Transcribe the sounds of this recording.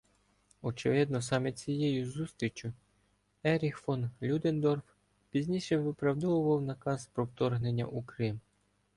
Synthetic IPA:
ɔt͡ʃɪʋɪd̪̚nɔsɑmɛt͡sʲijɛjʊzust̪ɾʲit͡ʃʲʊ | ɛɾʲixfɔnlʲud̪end̪ɔrf | pʲizʲnʲiʃɛʋɪpɾɐwd̪ɔʋʊʋɐwnɐkɑspɾɔwt̪ɔrɦnenʲːɐ̰ʔukɾɪm

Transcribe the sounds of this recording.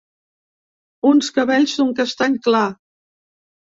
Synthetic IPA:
unskəβɛʎsoŋkəst̪aɲkla

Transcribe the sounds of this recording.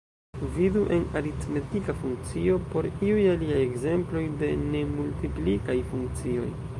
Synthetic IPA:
viduʔe̞naɾitme̞tikafuŋk̚t͡sio̞po̞ɾiujaliaje̞ɡze̞mplo̞jde̞ne̞multiplikajfuŋk̚t͡sio̞̰j

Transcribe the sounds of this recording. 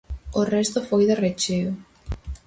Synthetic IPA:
orɛst̪ʊfojðeret͡ʃeo

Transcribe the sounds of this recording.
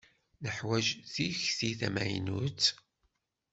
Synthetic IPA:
nəħwæʒθiçθiθæmæ̰j̰nut͡sː

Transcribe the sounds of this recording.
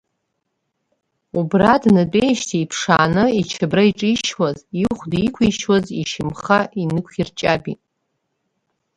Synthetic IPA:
ubradnɨt͡pʼejʃtʰiipʰʂa̰ːnɨit͡ʃʰabraiʈ͡ʂʼiʃwaziχʷdikʷʰiʃwaziʃɪmχaʔinɨkʷʰirt͡ʃʼabitʼ

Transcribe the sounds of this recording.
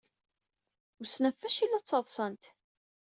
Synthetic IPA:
usnæfːæʃilːæt͡sːɑðˤsˤənt̪

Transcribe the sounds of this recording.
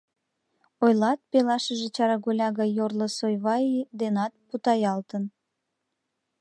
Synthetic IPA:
ojlɑt̪̚pelɑʃəʒet͡ɕɑɾɑɣolʲɑɣɑjːorləsojβɑjid̪enɑt̪̚put̪ɑjɑlt̪ən

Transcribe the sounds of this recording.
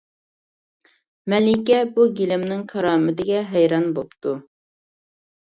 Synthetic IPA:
mɛlɪkʲɛbuɡʲilɪmnɪŋkʰɑɾɑːmɪd̪ɪɡʲɛɦɛjɾɑnbopt̪ʰu

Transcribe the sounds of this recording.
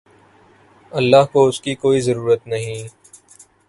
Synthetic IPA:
ɐlːaɦkoʊskikoːizɐɾuːɾət̪nɐɦĩː

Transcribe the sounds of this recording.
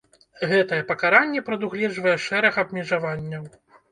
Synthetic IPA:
ɣɛt̪ɐjɛpɐkaɾanʲːɛpɾɐd̪uɣlʲɛʐvɐjɛʂɛɾɐxɐbmʲɛʐavanʲːɐw

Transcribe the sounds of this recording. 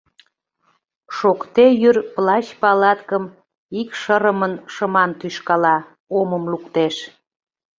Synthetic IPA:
ʃokt̪ejyrplɑt͡ɕpɑlɑt̪kəm | ikʃəɾəmənʃəmɑnt̪yʃkɑlɑ | oməmlukt̪eʃ

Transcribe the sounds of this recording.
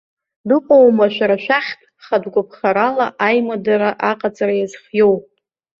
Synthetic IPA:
dɨqʷʼowmaʃʷᶣaɾaʃʷᶣaχʲtʰʼ | χadɡʷʊpʰχaɾalaʔajmadaɾaʔaqʼat͡sʼaɾajazχjow

